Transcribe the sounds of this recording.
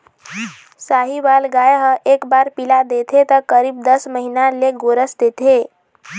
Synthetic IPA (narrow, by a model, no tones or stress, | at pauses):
saɦiʋalɡajɦəʔekbaɾpilad̪et̪ʰet̪əɾkəɾiːb̚d̪əsməɦinaleɡoɾəsd̪et̪ʰe